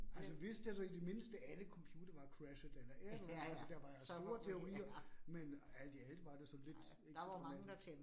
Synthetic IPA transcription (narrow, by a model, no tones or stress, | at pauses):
ælsɒʋe̝sd̥æsɒid̥e̝me̝nsd̥əʔæləkʰɒ̽mpʰjuːd̥ɐʋɑ̈kʰʁæʃəd̥ˠelɐʔeɐ̥ælsɔd̥æʋɑ̈jasd̥o̝ːɐt͡sʰe̝o̝ʁḭːɐmenæl̰d̥iæld̥̩ˠʋɑ̈d̥esɒ̽le̝d̥ | eɡsd̥nelʰem